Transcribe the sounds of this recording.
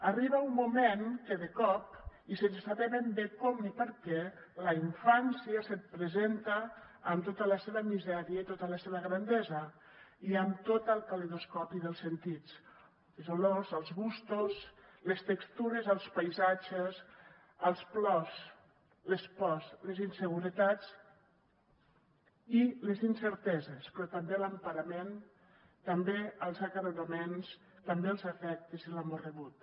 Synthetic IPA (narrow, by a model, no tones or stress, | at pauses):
ariβaumːumenkeðəkɔpisenssaβɛβembekɔmipəɾkɛ | ləiɱfansjasət̪̚pɾezent̪aːmt̪ot̪ələseβəmizɛɾiət̪ot̪ələseβəɣɾand̪ɛzə | iəmt̪ot̪əlˠt̪əleðoskɔpiðəlˠsent̪it͡s | izolozəlˠzɣust̪uslest̪əkst̪uɾezəlˠspajzad͡ʒes | əlˠsplɔs | lespɔslezinsəɣ̞uɾət̪at͡s | ilezinsəɾt̪ɛzespɾɔt̪ambeləmpaɾɐmen | t̪ɐmbeəlˠzakaɾunamens | t̪ɐmbeəlˠzəfɛk̚t̪eziləmorəβut̪̚